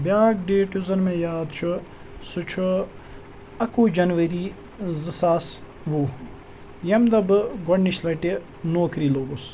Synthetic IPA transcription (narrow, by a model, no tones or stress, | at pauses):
bʲjaːɡɖeːʈjuzɐnmẽːjaːd̪t͡ʃʰu | sut͡ʃʰu | ɐkuːd͡ʒɐnʋɐɾiː | zɨsaːs | ʋuː | jɐmd̪ɐbɨɡɐɳːiʃlɐʈi | noːkɾiːloːɡus